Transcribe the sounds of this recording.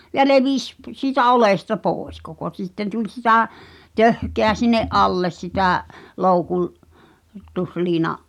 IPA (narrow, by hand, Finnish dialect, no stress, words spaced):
jɑ leʋis p siːtæ olestɑ poːĕs koko t̆sitːen tulʲ sitæ tøhkeæ sinˑeʔ ʔɑlːes sitæˑ loukul tusliːnɑʔ